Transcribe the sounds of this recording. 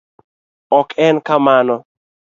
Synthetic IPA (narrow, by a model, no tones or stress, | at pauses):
ɔkɛnkamanɔ